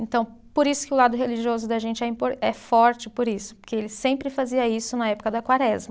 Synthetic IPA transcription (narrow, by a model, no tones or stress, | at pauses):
ẽnt̪ɐ̃w̃poɾisʊ̥kɪʊlad̪ʊɦeliʒiozʊd̪ɐʒẽnt͡ʃɪɛĩpoɾɛffɔɾt͡ʃɪpoɾisʊ̥poɾkeelɪsẽmpɾɪfaziɐisʊnɐɛpʊkɐd̪ɐkwaɾɛzmɐ